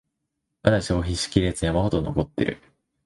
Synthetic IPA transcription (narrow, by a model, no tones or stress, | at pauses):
βad̪aɕo̞ːçiɕi̥kʲiɾe̞t͡sɨjamaho̞t̪o̞no̞ko̞t̪ːe̞̰ɾɯ̟̰